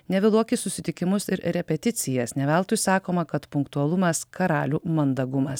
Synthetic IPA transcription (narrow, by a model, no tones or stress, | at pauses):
nʲɛʋʲɪlˠuɔkʲɪssʊsʲɪt̪ʲɪkʲɪmʊsɪɾɾʲɛpʲɛt̪ʲɪt̪sʲɪjɛsnʲɛʋʲɛlˠt̪ʊjsɑːkoːmɐkɐt̪pʊŋkt̪uɐlˠʊmɐskɐɾɑːlʲuːmɐnd̪ɐɡʊmɐs